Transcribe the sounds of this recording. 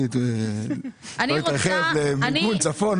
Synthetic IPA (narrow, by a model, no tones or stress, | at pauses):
it̪ | oit̪ʁaχevlemiunt͡safon